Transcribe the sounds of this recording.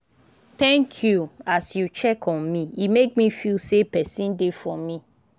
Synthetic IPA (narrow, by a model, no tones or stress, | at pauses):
t̪ɛ̃ŋkʰjuasjut͡ʃɛkʰɔ̃nmĩimek̚mifilsepɛsĩndefɔ̃mĩ